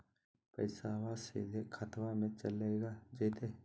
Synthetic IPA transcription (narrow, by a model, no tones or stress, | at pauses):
pə̰ɪsaʋasḛd̪ʱekʰət̪wamẽt͡ʃəleːɡad͡ʒeːt̪eː